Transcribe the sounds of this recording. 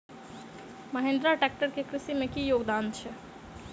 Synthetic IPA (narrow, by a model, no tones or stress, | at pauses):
məɦẽːnd̪ɾaʈɛːk̚ʈəɾkekɾɪsimẽkijoːɡd̪aːnt͡ʃʰɛ